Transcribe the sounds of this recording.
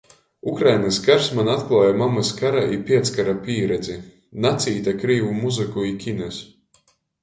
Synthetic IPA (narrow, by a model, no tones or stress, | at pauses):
ukɾajnaskaɾsmanat̪klˠaːjamamaskaɾaʔipʲiɛt̪skaɾapʲiːɾɛd̪zi | nat̪sʲiːt̪akɾiːvumuzɨkuikʲinɛs